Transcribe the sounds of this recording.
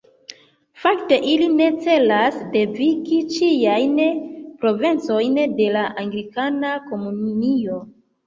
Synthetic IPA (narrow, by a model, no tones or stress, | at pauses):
fakte̞ʔiline̞t͡se̞lasde̞vikit͡ʃijajnpɾo̞vent͡so̞jnde̞laʔaŋɡɾikanako̞munnio̞